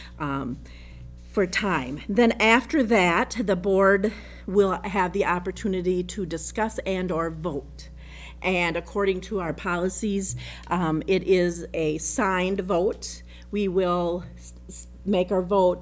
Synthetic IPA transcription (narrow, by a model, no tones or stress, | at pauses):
fə˞tʰãɪ̃mðɨ̃næftə˞ðɨt̪̚ðəbɔɹd | wɪlˠɨvðiʔɑpə˞tʰʉnɨɾiɾɨdɨskʌsɨ̃nə˞voʊt | ʔɨ̃nɨkʰɔɹɾɪ̃ŋtʰəaʊə˞pʰɑlˠəsiz | ɪɾʔɪzɨsãɪ̃ndvoʊt̚ | wiwɪlˠ | meɪkaʊə˞voʊt̚